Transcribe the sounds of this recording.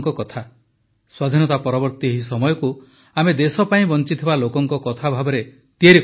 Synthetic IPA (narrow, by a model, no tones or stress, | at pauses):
ŋkɔkɔt̪ʰa | swad̪ʱinɔt̪apɔɾɔbɔɾt̪ieɦisɔmɔjɔku | amed̪esɔpaĩbɔnt͡ʃit̪ʰibalokɔŋkɔkɔt̪ʰabʱabɔɾe | t̪ieɾek